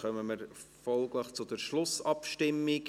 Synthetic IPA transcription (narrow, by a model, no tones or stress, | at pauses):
χœməməɾ | fɔlɡləχt͡sʊd̪əɾʃlʊsɑpʃtɪmːiɡ